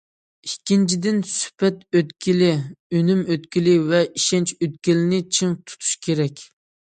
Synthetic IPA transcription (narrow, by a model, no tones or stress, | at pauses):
ikʲːint͡ʃʰid̪ɪnsy̥pɛt̪øt̪kʲilɪønymøt̪kʲilɪvɛiʃɛnt͡ʃøt̪̚kʲilɪnɪt͡ʃʰɨŋt̪ʰu̥t̪ʰu̥ʃkʲʰeɾɛkʲ